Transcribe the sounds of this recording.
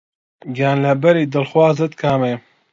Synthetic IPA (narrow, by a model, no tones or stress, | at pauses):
ɡaːnlɐbɐɾiːd̪ɨlxwaːzɨt̪kʰaːmeː